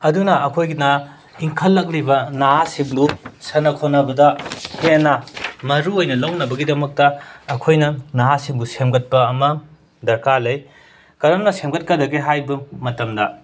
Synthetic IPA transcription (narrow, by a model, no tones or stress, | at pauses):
ɐdunɐɐkʰojɡina | iŋkʰɐlːɐk̬̚libɐnaɦasiŋbusɐnɐkʰonɐbɐdɐhenɐmɐɾuojnɐloŋnɐbɐɡidɐmɐk̚tɐːkʰojnɐnaɦasiŋbusemɡɐt̚pɐːmɐ | dɐɾkalɐj | kɐɾɐmnɐsemɡɐt̚kɐdɐɡiɦajbɐmɐtɐmdɐ